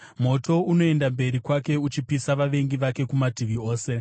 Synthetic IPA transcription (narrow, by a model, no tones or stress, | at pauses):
mo̞to̞uno̞e̞ndambe̞ɾikwake̞ut͡ʃipisaʋaʋe̞ŋɡiʋake̞kumadʱiʋio̞ːse̞